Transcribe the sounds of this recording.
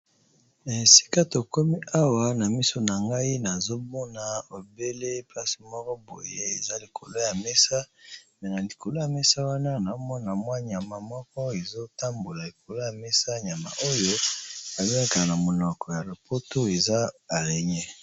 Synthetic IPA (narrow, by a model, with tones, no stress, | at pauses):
e˨si̥˦ka˦to˨ko˦mi˦a˦wa˦na˨mi˦so˦na˨ŋɡa˦i˦na˨zo˦mɔ˦na˨o˨be˦le˦pa˦si˨mɔ˦kɔ˦bo̰˨je˦e˨za˦li˨ko˨lo˦ja˨me˦sa˦mɛ˨na˨li˨ko˨lo˦ja˨me˦sa˦wa˦na˦na˨˦mɔ˦na˨mwa˦ɲa˨ma˨mɔ˦kɔ˦e˨zo˦ta˦mbo˨la˨li˨ko˨lo˦ja˨mɛ˦sa˦˨ɲa˨ma̰˨ʔo˦jo˦a˨le˦a˦ka˨na˨mo˨nɔ˨kɔ˨ja˨lo˨po˦to˦e˨za˦a˨le˨ɲɛ˦